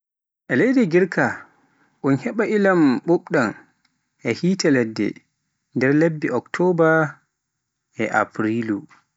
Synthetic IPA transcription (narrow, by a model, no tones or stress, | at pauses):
ʔɛlejdɛɡiɾka | ʔunhɛɓaʔilamɓuɓɗan | ʔɛhiːtalɛdːɛ̰ | ndɛɾlebːiʔɔktʰɔba | ʔɛʔa̰pɾilu